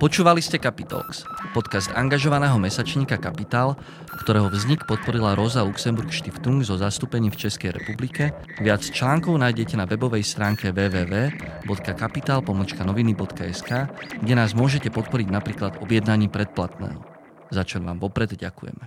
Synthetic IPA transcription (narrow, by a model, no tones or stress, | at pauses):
pɔt͡ʃuːʋaliscɛkapit̪ɔ̰kspɔt̪kasd̪a̰ŋɡaʒɔʋanɛːɦɔmɛsat͡ʃɲiːkakapit̪aːl | kt̪ɔɾɛːɦɔvzɲikpɔt̪̚pɔɾilaɾɔzaluksɛmbuɾkʃt̪ift̪uŋɡzɔzast̪uːpɛɲiːft͡ʃɛskɛjɾɛ̰publikɛ | ʋɪat͡st͡ʃlaːŋkɔʊnajɟɛcɛnaʋɛbɔʋɛjst̪ɾaːŋkɛʋɛːʋɛːʋɛː | bɔt̪kakapit̪aːlpɔmɔt͡ʃkanɔʋinibɔt̪kaɛskaːɡɟɛnaːzmʊɔʒɛcɛpɔt̪̚pɔɾiɟnapɾiːklad̪ɔbjɛd̪naɲiːpɾɛt̪̚plat̪nɛ̰ːɦɔ | zat͡ʃɔʋa̰ːmʋɔpɾɛd̪ɟakujɛ̰mɛ